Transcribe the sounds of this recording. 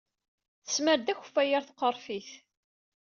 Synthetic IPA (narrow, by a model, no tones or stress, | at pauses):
θə̥sməɾd̪æçə̥fːæjəɾθqːəɾˤfiθ